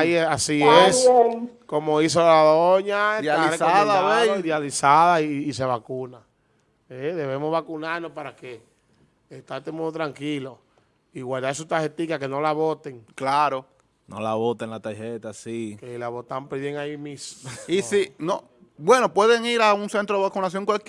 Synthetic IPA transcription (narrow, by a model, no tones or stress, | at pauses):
aiasies | ko̞mois̬olaðoɲaeaɾsaðaeiðjalisaðaiːse̞βakuna | eðe̞βe̞mozβakunaɾnospaɾake̞ː | t̪aɾt̪emũot̪ɾaŋkilo | iɣwald̪aesut̪aɾhet̪ikake̞no̞laβot̪eŋklaɾo | no̰laβot̪eŋlat̪aɾhet̪asikelaβot̪ampɾejeŋaimisisino | bwe̞no̞pwe̞ðe̞ŋiɾauŋse̞nt̪ɾoðeakunas̬jo̞ŋkwalk